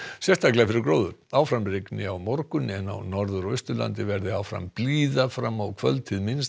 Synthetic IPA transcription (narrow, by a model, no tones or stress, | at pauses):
sjɛst̪aklɛfɪɾɪɾkɾoːwðʏɾ̥awfɾamrɪknɪawmɔɾkʏnːɪɛnːa̰wnɔɾðʏɾœst̪ʏla̰nt̪ɪvɛɾðɪawfɾa̰mpliːðafɾamːawkʰvœlt̪ʰɪðmɪns